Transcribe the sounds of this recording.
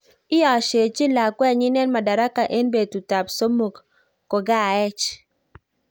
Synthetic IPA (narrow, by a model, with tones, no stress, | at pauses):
ɪ˦ɔ˨ʃe˨t͡ʃi˦la˨kwɛ˦˨ɲi˦nɛ˦nma˨da˨ɾa˦ka˨ʔe˦nbe˨tu˨ta˨pso˦mu˨kː | o˨ɡa˦˨ɛ˦t͡ʃ